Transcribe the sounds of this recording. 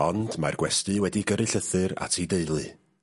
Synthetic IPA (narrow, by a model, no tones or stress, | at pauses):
ɔndmarɡwɛstɨwɛdiɡəɾɨɬəθɨɾa̰tʰideɨlˠɨ